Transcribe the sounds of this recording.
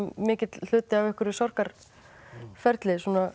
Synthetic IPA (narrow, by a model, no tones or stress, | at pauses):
mɪːcɪt̪l̥ʏːt̪ɪavɛhkʏɾɪsɔr̥kaɾ̥ | fɛɾt̪lɪsuːna